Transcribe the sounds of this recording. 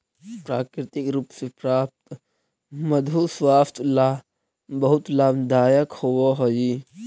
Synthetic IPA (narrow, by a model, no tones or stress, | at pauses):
pɾaːkɾɪt̪ɪkɾuːpsepɾaːp̚t̪ | mɐd̪ʱuswaːst̪laː | bɐɦʊt̪laːbd̪aːjəkhowoɦod͡ʒi